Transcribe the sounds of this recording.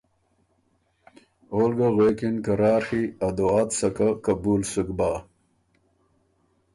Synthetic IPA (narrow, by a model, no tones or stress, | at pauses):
oːlɡaɣweːkinkɐɾaːɾxiɐd̪oaːt̪sɐkakɐbuːlsukbaː